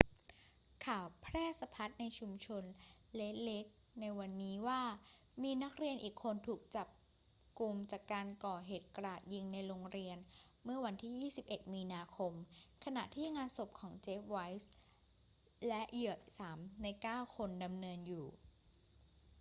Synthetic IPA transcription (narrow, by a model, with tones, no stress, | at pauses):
kʰaː˨˩wpʰɾɛː˥˩sa˧pʰa˦˥t̪̚na˧jt͡ɕʰu˧mt͡ɕʰo˧nle˦˥t̪̚le˦˥k̚ | na˧jwa˧nːiː˦˥waː˥˩ | miː˧na˦˥k̚ɾi˧ənʔiː˨˩kʰːo˧nt̪ʰuː˨˩k̚t͡ɕa˨˩p̚ | ku˧mt͡ɕaː˨˩kːaː˧nkɔː˨˩ɦeː˨˩t̪̚kɾaː˨˩t̪̚ji˧ŋna˧jɾoː˧ŋɾi˧ən | mɯ˥˩ɐwa˧nt̪ʰiː˥˩jiː˥˩si˨˩p̚ʔe˨˩t̪̚miː˧naː˧kʰo˧mkʰa˧na̰˨˩ʔt̪ʰiː˥˩ŋaː˧nso˨˩p̚kʰɔː˩˦ŋt͡ɕeː˦˥p̚wa˦˥js | lɛ˦˥ʔjɯ˨˩əsaː˩˦mna˧jkaː˥˩wkʰo˧nda˧mnɤː˧njuː˨˩